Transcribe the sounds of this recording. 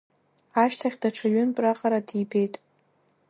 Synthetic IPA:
aʃtʰaχʲdaʈ͡ʂʰaɥʏnpʼraqʼaɾadibe̞jtʼ

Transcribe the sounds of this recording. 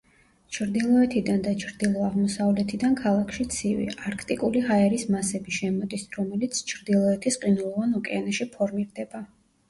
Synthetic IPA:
t͡ʃʰɾd̪ilˠɔɛt̪ʰid̪and̪at͡ʃʰɾd̪ilˠɔaʁmɔsavlɛt̪ʰid̪ankʰalˠakʰʃit̪sʰivḭaɾkʰt̪ʼikʼuliɦaɛɾismasɛbiʃɛmɔd̪isɾɔmɛlit̪sʰt͡ʃʰɾd̪ilˠɔɛt̪ʰisqʼinulˠvanɔkʼɛanaʃipʰɔɾmiɾd̪ɛba

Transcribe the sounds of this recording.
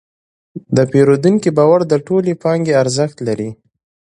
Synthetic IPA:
d̪əpeɾod̪uŋkibɑwaɾd̪əʈolepɑŋɡeaɾzəxt̪laɾi

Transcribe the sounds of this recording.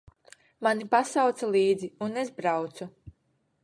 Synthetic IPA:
manipasawt̪salˠiːd̪ziunezbɾawt̪su

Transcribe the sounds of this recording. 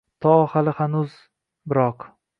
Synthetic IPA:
t̪ʰɒhalɪhanʊz | bɪɾɒq

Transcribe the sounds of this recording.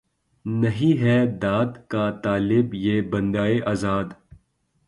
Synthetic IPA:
nɐɦĩɦɛd̪aːd̪kat̪aːlɪbjeːbɐ̃nd̪aːeʔaːzaːd̪

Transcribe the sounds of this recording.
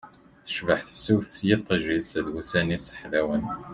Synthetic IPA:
θə̥ʃvəħθə̥fsuwθsjit̪ˤːəʒisæðwusænisə̥ħlæwən

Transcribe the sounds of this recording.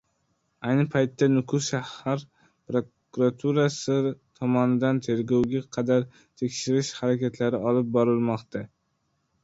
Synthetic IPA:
ajnɪpʰajt̪ːanʊkʰʊʃahaɾ | pɾokkuɾat̪ʰuɾasɪt̪ʰɒmɒnɪd̪ant̪ʰe̞ɾɡʲowɡʲaqʰɑd̪aɾ | t̪ʰe̞kʲʃɪɾɪʃhaɾakʲat̪ʰlaɾɪɒlɪp̚bɒɾɪlmɒqt̪ʰa

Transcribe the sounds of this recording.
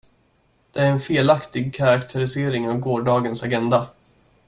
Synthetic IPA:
d̪̥ɛæɾɛnfeːlakt̪ɪɡ̚kʰaɾakt̪ʰəɾɪseːɾɪŋavɡoːɖɑːɡənsaɡɛnd̪a

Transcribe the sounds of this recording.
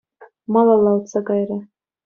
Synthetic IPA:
mɑlˠɑlˠɑwt̪sɑkɑjɾɑ

